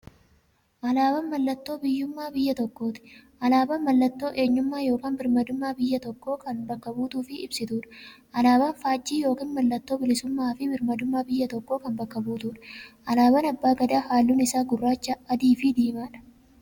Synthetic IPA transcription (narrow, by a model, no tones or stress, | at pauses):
ʔɐlaːbɐnmɐlːɐt̪ːo̞ːbɪjːʊmːaːbɪjːɐt̪ɔkːo̞ːt̪ɪ̥ʔɐlaːbɐnmɐlːɐt̪ːo̞ːʔe̞ːɲːʊmːaːjo̞ːkaːnbɪɾmɐd̪ʊmːaːbɪjːɐt̪ɔkːo̞ːkɐnbɐkːɐbuːt̪uːfɪɪbsɪt̪uːᶑɐ̥ʔɐlaːbɐnfaːd͡ʒːiːjo̞ːkiːnmɐlːɐt̪ːoːbɪlɪsʊmːaːfɪbɪɾmɐd̪ʊmːaːbɪjːɐt̪ɔkːoːkɐnbɐkːɐbuːt̪uːᶑɐ̥ʔɐlaːbɐnɐbːaːɡɐd̪aːhaːlːuːnɪsaːɡʊrːaːt͡ʃːɐɐd̪iːfɪd̪iːmaːᶑɐ̥